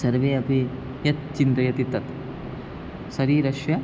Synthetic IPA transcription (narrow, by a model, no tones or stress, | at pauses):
sɐɾʋeːɐpi | jɐt̪̚t͡ʃind̪ɾɐjɐt̪it̪ɐt̪ | sɐɾiːɾɐʃjɐ